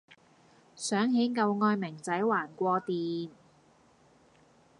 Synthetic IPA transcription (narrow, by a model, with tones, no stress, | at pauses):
sœː˨˥ŋɦe˨˥jkɐ˧wŋɔː˧jmɪ˨˩ŋt͡sɐ˨˥jwaː˨˩nkʷɔː˧t̪iː˨˧n